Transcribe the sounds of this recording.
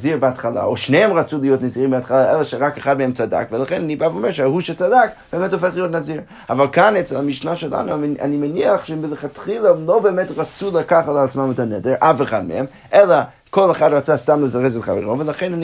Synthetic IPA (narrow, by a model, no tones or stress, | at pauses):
ziʁbəatχala̰oʃneɛmʁat͡sulˠijotniziʁimbəatχalaʔɛlaʃɛʁakaχad̚mehɛmt͡sada̰kvəlaχɛnanibavomɛɾʃɛhuʃɛt͡sadakb̥eːmɛtɔfeχlˠijot̬naziʁ | avalˠkanɛt͡sɛlamiʃnaʃɛla̰nua̰nimɛniaχʃɛmɪləχatχilˠalˠobeːmɛtʁat͡sulˠakaχatlat͡smamɪtanɛdeɾʔafeχadmə̰hɛm | ʔɛla | kʰolˠaχadʁat͡sastamlˠəzaʁɛzɛtχa̰vɛ̰ʁovəlˠaχɛnani